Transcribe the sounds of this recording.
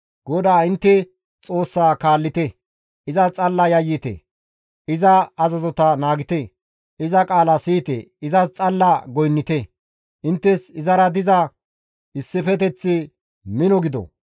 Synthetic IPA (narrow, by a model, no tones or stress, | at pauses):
ɡ̥ɔd̪aːɪnt̪ːɛ | t͡sʼo̞ːsːaːkaːlːɪt̪ɛ | ɪzɐt͡sʼɐlːɐjɐjːɪt̪ɛ̰ | ɪzɐːzɐzɔt̪ɐnaːɡɪt̪ɛ | ɪzɐkʼaːlɐsiːt̪ɛ̰ɪzɐst͡sʼɐlːɐɡɔjnːɪt̪ɛ | ʔɪnt̪ːɛsɪzɐɾɐd̪ɪzɐ | ɪsːɪfɛt̪̬ɛt͡sːɪ | mɪnɔɡɪd̪ɔ̰